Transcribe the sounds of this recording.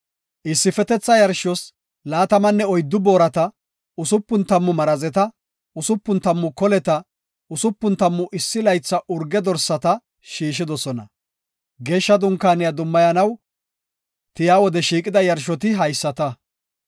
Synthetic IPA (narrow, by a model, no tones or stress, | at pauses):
ʔɪsːɪfɛt̪ɛt͡sːɐjɐɾʃɔs | laːt̪ɐmɐnːɛɔjd̪ːʊboːɾɐt̪ɐ | ʊsʊpːʊnt̪ɐmːʊmɐɾɐzɛt̪ɐ | ʊsʊpːʊnt̪ɐmːʊkɔlɛt̪ɐ | ʊsʊpːʊnt̪ɐmːʊʔɪsːɪlɐjt͡sːɐʔʊɾɡɛd̪ɔɾsːɐt̪ɐ | ʃiːʃ̬ɪd̪ɔsɔnɐ̰ | ɡe̞ːʃːɐd̪ʊŋkːaːnɪjɐd̪ʊmːɐjɐnɐw | t̪ɪjaːwɔd̪ɛʃiːkʼɪd̪ɐjɐɾʃɔt̪ɪɦɐjsːɐt̪ɐ